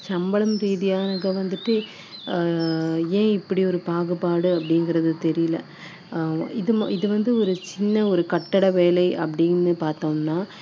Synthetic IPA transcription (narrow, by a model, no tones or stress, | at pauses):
sɐmbɐɭɐmɾiːðɪjaːnɐɣɐʋɐnd̪ɯʈːɯ | ẽːɪpːɐɽiɔɾɯpaːɣɯpaːɽɯɐpːɐɽɪŋɡɪɾɐðɯt̪ɛɾɪjɪlɐ̰ | ɪðɯmɪðɯʋɐnd̪ɯɔɾɯt͡ʃɪnːɐɔɾɯkɐʈːɐɽɐʋeːlɐɪʔɐpːɐɽɪnːɯpaːɾt̪oːmnaː